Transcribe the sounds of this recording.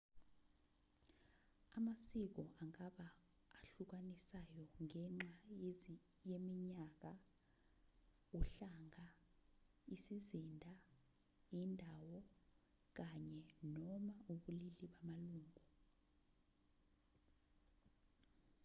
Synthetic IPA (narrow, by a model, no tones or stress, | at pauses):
amasik̬ɔʔaŋaɓaː | ɬuk̬anisajɔŋʱɛŋ͡ǁa | jemiɲak̬a | uɬaŋʱa | isizindʱa | indʱawɔ | k̬aɲɛnɔmaʔuɓuliliɓamaluːŋʱu